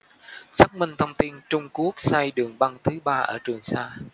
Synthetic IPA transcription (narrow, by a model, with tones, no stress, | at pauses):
sa˦˥k̚mï˧ŋ̟t̪ʰə˧wŋ͡mt̪i˧nt͡ɕʊ˧ŋ͡mku˦˥ək̚sa˧jɗɨ˨˩əŋɓa˧ŋt̪ʰɨ˨˦ɓaː˧ʔəː˧˩t͡ɕwɨ˨˩əŋsaː˧